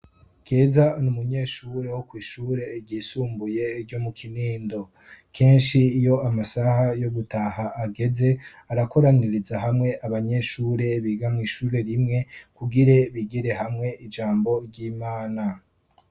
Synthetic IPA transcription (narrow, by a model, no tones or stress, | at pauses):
ɡ̥e̞ːzanumuɲe̞ːʃuɾe̞wokwiːʃuːɾe̞ɾɟiːsuːmbuje̞ɾɟo̞mukʰiniːndo̞ | kʰe̞ːnʃiːjo̞amasahajo̞ɡutahaʔːɡe̞ze̞ | aɾako̞ɾaniɾizaɦamŋe̞ʔaβaɲe̞ːʃuːɾe̞βiːɡamŋiːʃuːɾe̞ɾimŋe̞kuɡiɾeβiɡiɾe̞ɦamŋe̞ʔid͡ʒaːmbo̞ɾɟiːmaːna